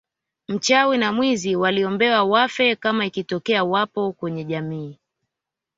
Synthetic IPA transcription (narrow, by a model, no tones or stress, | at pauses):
m̩t͡ʃawinamwiziwaliɔmbɛwawafɛkamaikitɔkɛawapɔkwɛɲɛʄamiː